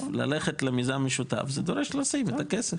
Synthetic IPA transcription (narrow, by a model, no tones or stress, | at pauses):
la̰leχet̪lemizanmeʃut̪a̰fzed̪o̞ɾeʃlosimet̪akesef